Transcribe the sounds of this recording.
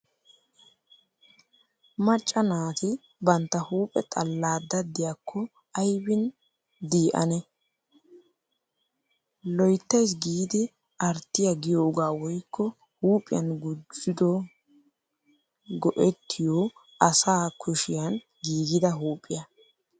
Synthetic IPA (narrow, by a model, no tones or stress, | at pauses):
mɐt͡ʃʼːɐnaːt̪ɪ | bɐnt̪ːɐhuːpʼɛt̪ʼɐlːaːd̪ɐd̪ːɪjakʰːɔ | ɐjbɪn | d̪iːʔɐ̰nɛ | lɔjt̪ːɐjs̬ɡiːd̪ɪ | ɐɾt̪ːɪjɐɡɪjo̞ːɡaːwɔjkːɔ | huːpʼːɪjɐnɡʊd͡ʒɪd̪ɔ | ɡɔʔɛt̪ʰːɪjoː | ʔɐsaːkʰʊʃɪjɐn | ɡiːɡɪd̪ɐɦuːpʼːɪjɐ